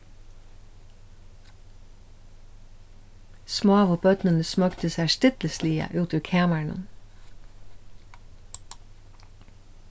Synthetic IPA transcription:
smoːɑʋʊbœd̪nənəsmœɡt̪əsæːʃtɪt̪l̩sliːɑ̰ʔʉːt̪ʰʉːkʰæːmæɳə̰n

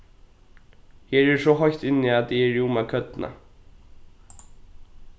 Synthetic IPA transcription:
heːɹɛsɔɦɔjçt̪ɪnːɪat̪̚iɛɾjumakʰœt̪na̰

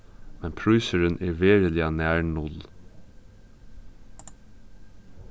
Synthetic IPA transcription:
mɛnpʰɹʉʏsəɹənʔeːʋeːɹəlɪɑnæːɹɳʊl

